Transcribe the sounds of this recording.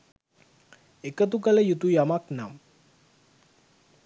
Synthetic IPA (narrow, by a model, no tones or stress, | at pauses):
ekət̪ukələjut̪ujamaknam